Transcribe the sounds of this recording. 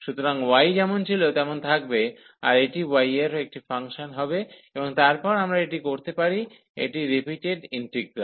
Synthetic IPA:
ʃut̪oɾaŋwajd͡ʑɛmont͡ɕʰilot̪ɛmont̪ʰak̚be | a̰ɾeʈiwajeɾoek̚ʈifaŋʃonɦɔbeeboŋt̪aɾpɔɾamɾaeʈikoɾt̪epaɾi | ḛʈiɾipiʈeɖinʈɾik̚ɾa

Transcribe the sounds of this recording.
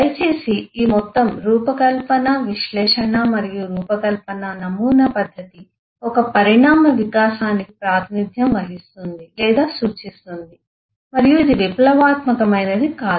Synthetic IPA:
ɐjt͡ʃe̞ːsiiːmɔt̪ːɐmɾuːpɐkɐlpɐnɐʋiʃlɛːʂɐnɐmɐɾijuɾuːpɐkɐlpɐnɐnɐmuːnɐpɐd̪ʱːɐt̪i | ɔkɐpɐɾiɳaːmɐʋikaːsaːnikipɾaːt̪ʰinid̪ʱjɐmʋɐɦist̪und̪ilɛːd̪aːsuːt͡ʃist̪und̪i | mɐɾijuid̪iʋiplɐʋaːt̪mɐkɐmɐjnɐd̪ikaːu

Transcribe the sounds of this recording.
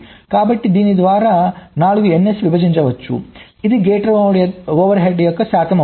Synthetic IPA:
kaːbɐʈːid̪inid̪ʋaːɾɐnaːɭuɡuenːesʋibʱɐd͡ʒiɲt͡ʃɐʋɐt͡ʃːṵ | id̪iɡeːʈɐɾoːʋɐɾɦeːɖjɐkːɐsaːt̪ʰɐmɐ

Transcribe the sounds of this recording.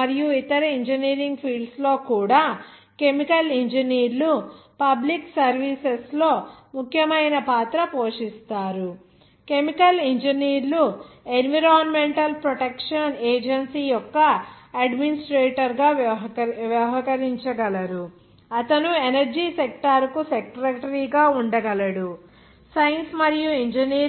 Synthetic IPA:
ɐɾijuit̪ɐɾɐiɲd͡ʒɐniːɾiŋɡpʰiːɖslo̞ːkuːɽaːke̞mikɐliɲd͡ʒɐniːɾlu | pɐbliksɐɾʋiːseslo̞ːmukʰjɐmɐjnɐpaːt̪ɾɐpo̞ːʂist̪aːɾu | ke̞mikɐliɲd͡ʒɐniːɾluenʋiɾaːnmeɳʈɐlpɾɔʈekʂɐneːd͡ʒɐnsiːjɔkːɐɐɖminisʈɾeːʈɐɾɡaː | ʋjɐɦɐkɐɾiɲt͡ʃɐɡɐlɐɾu | ɐt̪ɐnuenɐɾd͡ʒiːsek̚ʈɐɾkusekɾɐʈɐɾiːɡaːuɳɖɐɡɐlɐɽu | sɐjɐnsmɐɾijuiɲd͡ʒɐniː

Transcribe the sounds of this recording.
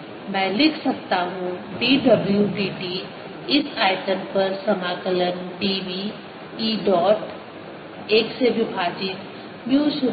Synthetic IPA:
mɛ̃ːlɪkʰsɐk̚t̪aɦũɖiːɖɐbljuɖiːʈiː | ɪsaːɪʈəmpɐɾsɐmaːkələnɖiːʋiː | iːɖɔːʈ | eːksebʱɪbʱaːd͡ʒɪt̪ | mjuːʃʊ

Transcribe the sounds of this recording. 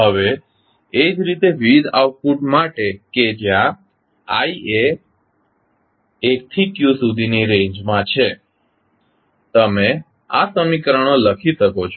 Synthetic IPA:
ɦəʋeː | d͡ʒɾit̪eʋid̪a̰ʋpuʈmaʈeked͡ʒjã | aie | k̚t̪ʰikjusud̪ʱiniɾẽɲd͡ʒmãt͡ʃʰe | t̪əme | asəmikɾəɳ̃oləkʰiʃəkot͡ʃʰo

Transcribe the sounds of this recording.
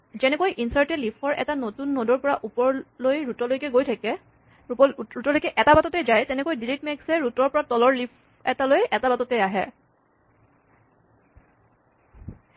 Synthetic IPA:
zɛnɛkojʔinsaɹtɛlipʰɔɹʔɛ̰tanotunːodɔɹpɔɹaʔupɔɹlojɹutɔlojkɛɡojtʰakɛ | ɹutɔlojkɛʔɛtabatɔtɛjzajtɛnɛkojdilit̚mɛksɛɹutɔɹpɔɹatɔlɔɹlipʰ | ɛtalojʔɛtabatɔtɛjaɦɛ

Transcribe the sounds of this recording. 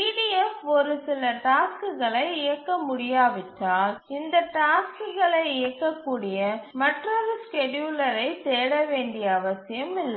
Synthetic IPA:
iːʈiɛfɔɾɯsɪlɐʈaːskɯɣɐɭɐɪɪjɐkːɐmʊɽɪjaːʋɪʈːaːlɪnd̪ɐʈaːskɯɣɐɭɐɪɪjɐkːɐkːuːɽɪjɐmɐʈrɐlɐskɛɖjuːlɐɾɐɪseːɽɐʋeːɳɖɪjɐːʋɐsɪjɐmɪlːɐ

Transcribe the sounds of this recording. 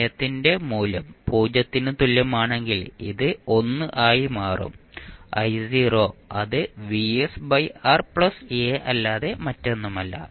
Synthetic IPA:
jɐt̪ːinde̞muːlɐmpuːd͡ʑɐt̪ːinɨt̪ulːɐmaːɳe̞ŋɡilḭðɨo̞nːɨʔaːjimaːrṵmɐ̰jsiːro̞ːɐ̰ðɨʋiesbɐjaːrpɭɐseɐlːaːðe̞mɐtːe̞nːumɐlːɐ̰

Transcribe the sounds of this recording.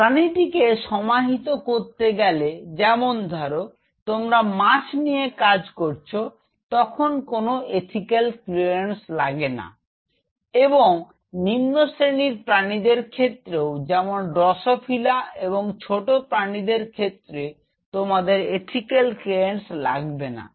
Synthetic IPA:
pɾaniʈikeʃɔmaɦit̪okoɾt̪eɡɛled͡ʑɛmond̪ʱɔɾo | t̪omɾamaʃnijekad͡ʑkoɾt͡ɕʰo | t̪ɔkʰonkonoeʈʰikelklienslaɡena̰ | eboŋ | nimnosɾeniɾpɾanid̪eɾkʰet̪ːɾeod͡ʑɛmonɖɾɔʃopʰilaeβoŋt͡ɕʰoʈopɾanid̪eɾkʰet̪ːɾe | t̪omad̪eɾeʈʰikelkɾiensla̰ɡbena̰

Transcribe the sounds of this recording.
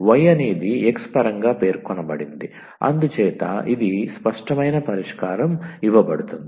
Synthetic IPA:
ʋɐjɐniːd̪iekspɐɾɐŋɡaːpe̞ːɾkɔnɐbɐɽind̪i | ɐ̰nd̪ut͡ʃɛːt̪ɐ̰ʔid̪ispɐʂʈɐmɐjnɐpɐɾiʂkaːɾɐmiʋɐbɐɽut̪und̪i

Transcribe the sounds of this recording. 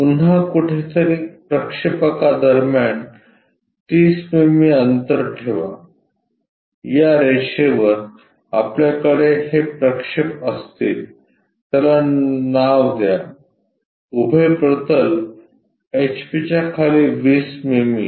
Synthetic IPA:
punakuʈʰet̪əɾiːpɾəkʂipəkad̪əɾmjaɳ | t̪iːsmemiənt̪əɾʈʰeʋa̰ | jaɾeɕeʋəɾ | a̰pljakəɽeɦepɾəkʂipəst̪iːl | t̪jalanaʋd̪ja | ubʱepɾət̪əl | et͡ɕpit͡ɕjakʰaliʋiːsmemi

